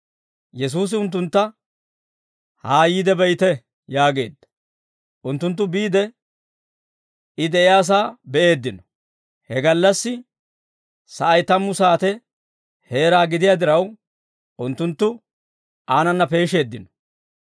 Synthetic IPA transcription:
jɛs̬uːs̬ɪʊnt̪ːʊnt̪ːɐ | haːjiːd̪ɛbɛjt̪ɛ | jaːɡe̞̰ːd̪ːɐ̥ | ʔʊnt̪ːʊnt̪̬ːʊbiːd̪ɛ | ɪd̪ɛʔɪjaːs̬aːbɛʔe̞ːd̪ːɪnɔ̥ | hɛɡɐlːɐsːɪ | sɐʔɐjt̪ɐmːʊsaːt̪ɛ | he̞ːɾaːɡɪd̪ɪjaːd̪ɪɾɐw | ʔʊnt̪ːʊnt̪ːʊ | aːnɐnːɐpe̞ːʃe̞ːd̪ːɪnɔ̥

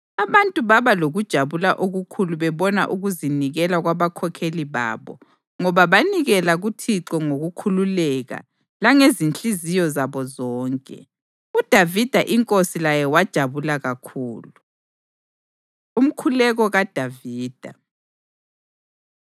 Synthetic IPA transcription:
aβantʼuβaβaloɣud̥ʒ̥ʱaβulaʔoɣukʰuluβɛβɔna̰ʔuɣuziniɣɛlaɣwaβakʰɔkʰeliβa̰ːβɔ̰ | ŋɔβaβaniɣɛlaɣutʰiǁɔŋoɣukʰululɛɣa̰ | laŋezint͡ɬʼizijɔzaβɔzɔːŋkʼɛ̰ | ud̥ʱavid̥ʱaʔiŋkʼosilajɛwad̥ʒ̥ʱaβulaɣakʰuːlu | um̩kʰulɛɣɔɣad̥ʱaviːd̥ʱa̰

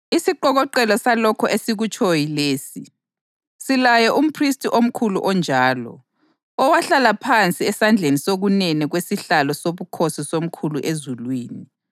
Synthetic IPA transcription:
isiǃɔɣɔǃɛlɔsalɔkʰɔʔesiɣut͡ʃʼʰojileːsi | silajɔʔum̩pʰristʼiʔom̩kʰuluʔɔnd͡ʒʱaːlɔ̰ | ɔwaɬalapʰant͡sʼiɛsand͡ɮʱenisoɣunɛnɛɣwesiɬalɔsoβukʰosisom̩kʰuluʔezulwiːni

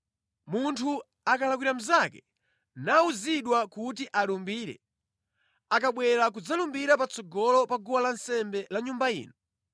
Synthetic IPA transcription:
muntʰu | akalakwiɾam̩zakɛ | nauziɗwakut̬iʔalumbiːɾɛ̰ | akaɓwɛɾak̬ud͡zalumbiɾapat͡sɔɡɔlɔpaɡuwalansɛmbɛlaɲumbaḭːnɔ

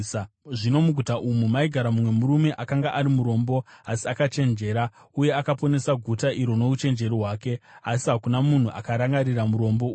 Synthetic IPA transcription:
ʐino̞muɡʱutaʔumumaiɡʱaɾamumwe̞muɾume̞ʔakaŋɡaʔaɾimuɾo̞mbo̞asiakat͡ʃe̞nd͡ʒe̞ːɾa | uje̞akapo̞ne̞saɡʱutaʔiɾo̞no̞ut͡ʃe̞nd͡ʒe̞riɦwaːke̞asiɦakunamun̤uʔa̰kaɾaŋɡaɾiramuɾo̞mbo̞uː

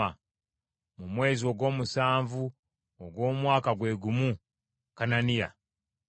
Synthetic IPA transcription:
a | mumwe̞ːzio̞ɡwo̞ːmusaːɱvu | oɡwo̞ːmwaːkaɡwe̞ːɡumu | kananija̰

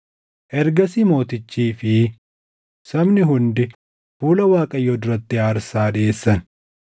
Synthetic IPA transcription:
ʔɛɾɡɐsimo̞ːt̪ɪt͡ʃːiːfɪ | sɐmnɪɦʊnd̪ɪ | fuːlɐwaːkʼɐjːɔd̪ʊɾɐt̪ːɪaːɾsaːᶑeːsːɐn

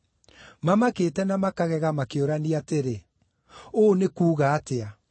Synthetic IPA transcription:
mamakeːtɛnamakaɣɛɣamakeoɾaniateɾe | oːnekuːɣaːtea

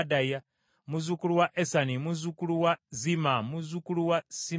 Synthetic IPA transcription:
daja | muzukuluwaʔesanimuzukuluwazimamuzukuluwasi

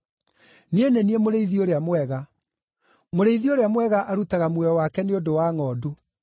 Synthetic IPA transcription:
nieneniemoɾeiðioɾeamwɛɣa | moɾeiðioɾeamwɛɣaʔaɾutaɣamwɛɾɔwakɛneodowaːŋɔːdu

